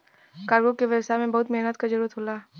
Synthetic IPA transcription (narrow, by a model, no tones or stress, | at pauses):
kaːɾɡõkeʋɛbsamẽbɐɦʊt̪meɦnət̪kazɐɾuːɾət̪ɦoːlaː